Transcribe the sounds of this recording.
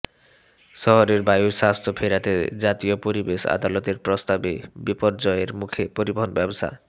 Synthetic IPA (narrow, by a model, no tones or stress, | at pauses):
ʃɔɦoɾeɾbajuɾʃast̪ʰopʰeɾat̪ed͡ʑat̪iopoɾibeʃa̰d̪alot̪eɾpɾost̪abebipoɾd͡ʑɔeɾmukʰepoɾiboɦonbɛbosa̰